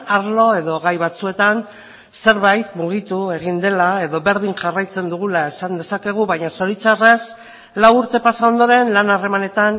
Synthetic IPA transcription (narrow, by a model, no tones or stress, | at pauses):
aɾlo̞e̞ðo̞ɣajβat͡sue̞t̪an | se̞ɾβajt̪muɣ̞it̪ue̞ɣind̪e̞lae̞ðo̞βe̞ɾðiŋʝarajt͡se̞nd̪uɣ̞ulae̞sand̪e̞sake̞ɣ̞uβajɲaso̞ɾit͡sare̞s | lawuɾt̪e̞pasao̞nd̪o̞ɾe̞nlanare̞mane̞t̪an